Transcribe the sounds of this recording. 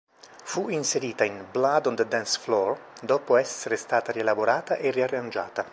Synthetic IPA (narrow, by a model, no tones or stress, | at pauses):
fuinseɾiːt̪ainblad̪ɔnd̪ed̪ansflɔrd̪ɔːpoɛsːeɾest̪aːt̪aɾielaboɾaːt̪aʔeriarːand͡ʒa̰ːt̪a